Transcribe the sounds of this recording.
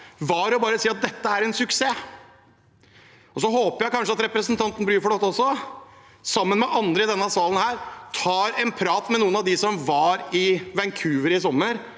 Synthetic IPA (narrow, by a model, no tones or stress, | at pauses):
ʋɑɾɔbɑːɾəsiːɑt̪̚d̪ɛt̪ːəæɾɛnsʉkseː | ɔs̬ɔɦoːpəɾjæɪkʰɑnʂəɑt̪ɾɛpɾəsnt̪ʰɑnt̪ən̩bɾyːɾfɔɖ̪ɔt̪ːɔsːɔ | sɑmːənmɛʔɑnd̪ɾəɪd̪ɛnːəɑsʋɑːlən̩hæːɾt̪ʰɑːɾɛnpʰɾɑːt̪mɛnuːənɑʋd̪ɪsɔmʋɑɾɪʋɛŋkʰʉːʋəɾɪs̬ɔmːəɾ